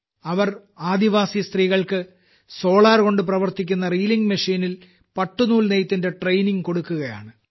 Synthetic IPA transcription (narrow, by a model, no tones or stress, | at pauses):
ɐʋɐr | aːd̪iʋaːsijɐst̪riːɣɐɭkɨ | so̞ːɭaːrko̞ɳɖɨp̬rɐʋɐrt̪ikʲːunːɐriːliŋɡmɐʂiːnil | pɐʈːunuːlnejt̪ːinde̞ʈrejniŋko̞ɽukːuɣɐja̰ːɳɨ